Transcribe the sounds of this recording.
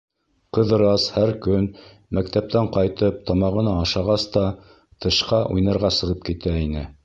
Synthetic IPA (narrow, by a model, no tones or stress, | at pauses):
qɤ̆ðɤ̆ɾɑshæɾkɵn | mæk̚t̪æp̚t̪æɴqɑjt̪ɤp̚t̪ɑmɑʁɤ̆nɑːʃɑʁɑst̪ɑ | t̪ɤ̆ʃqɑʔujnɑɾʁɑsɤ̆ʁɤp̚kit̪æinɘ